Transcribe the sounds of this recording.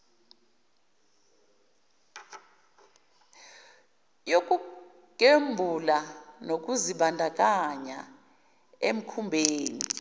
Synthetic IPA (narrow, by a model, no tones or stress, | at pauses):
jokʼu | kʼembʱulanok̬ʼuziɓandʱak̬ʼaɲa̰ | em̩kʰumbʱeːnḭ